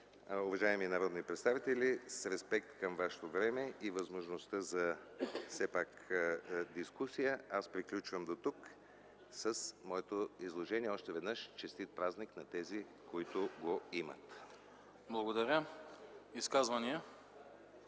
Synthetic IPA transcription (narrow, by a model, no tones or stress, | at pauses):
ʊvɐʒaɛminɐɾɔd̪nipɾɛt̪st̪avit̪ɛlʲisɾɛspɛkt̪kəmvaʃɛ̥t̪ovɾɛmɛivɐzmoʒnost̪əzɐsɛpak | d̪iskusijəaspɾiklʲut͡ʃvəmd̪ot̪uk | səsmɔɛt̪oizlˠoʒɛniɛɔʃt̪ɛvɛd̪nəʃt͡ʃɛst̪it̪̚pɾazniknɐt̪ɛzi | koit̪ʊɡoimə̰t̪ | blˠɐɡod̪ɐɾʲə | iskazvɐniə